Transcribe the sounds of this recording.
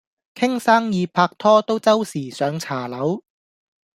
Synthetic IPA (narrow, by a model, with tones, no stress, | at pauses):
kʰɪ˥ŋsaː˥ŋjiː˨˧pʰaː˧k̚t̪ʰɔː˥t̪o˥wt͡sɐ˥wsiː˨˩sœː˨˧ŋt͡sʰaː˨˩lɐ˨˥w